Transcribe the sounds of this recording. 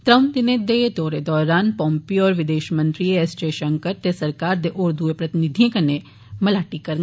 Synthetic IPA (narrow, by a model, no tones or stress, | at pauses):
t̪ɾəmd̪ɪned̪ed̪ɔːɾed̪ɔːɾaːnpɔ̃ːmpiɔːɾʋɪd̪eːʃmə̃nt̪ɾieɛst͡ʃeːʃə̃ŋkəɾt̪esɐɾkaːɾd̪eʔʊɾd̪uepɾɐt̪ɪnɪd̪ʱiẽkɐne | mɐlaːʈikɐɾ